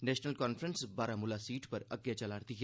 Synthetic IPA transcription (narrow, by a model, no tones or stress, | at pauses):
nɛːʃnəlkɔːnfɾənsbaːɾamʊlasiːʈpɐɾɐ̰ɡjat͡ʃɐlaːɾt̪iɦɛ